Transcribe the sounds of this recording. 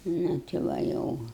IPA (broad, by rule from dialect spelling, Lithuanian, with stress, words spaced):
ˈnʊ tʲɪ ˈʋɐ ˈjɛʊ